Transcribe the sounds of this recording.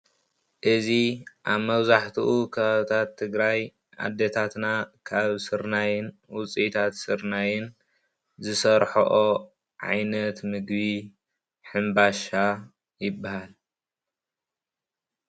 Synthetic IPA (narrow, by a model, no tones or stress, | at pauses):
ʔɨziʔaβmɐβzaħt̪ʰuʔukʰɐβaβɨt̪ʰat̪ʰːɨɡɾaj | ʔa̰d̪ːet̪ʰat̪nakʰaβsɨɾnajɪnwʊt͡sʼit̪ʰat̪sɨɾnajɪn | zɨsɐɾħoʔo | ʕa̰jnɐt̪mɨɡbi | ħɨmbaʃa | jɪbːahal